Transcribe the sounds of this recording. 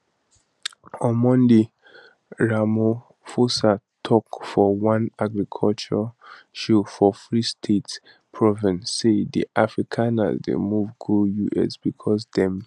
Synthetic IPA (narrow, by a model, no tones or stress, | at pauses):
ɔmɔ̃ndi | ɹamo | fosa | tʰɔkfɔwãnaɡɹikʰɔlt͡ʃɔ | ʃufɔfɹistʰet | pʰɹɔvĩnsːedḭʔafɹikʰãna̰zdḛmuvɡujuʔɛ̰sb̥ikʰɔsdɛ̃m